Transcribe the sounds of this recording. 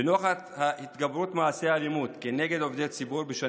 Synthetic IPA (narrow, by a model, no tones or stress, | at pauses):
enoχat̪hahit̪ɡabɾut̪maaseaalimut̪keneɡed̪ovd̪et̪t͡sibuɾbeʃa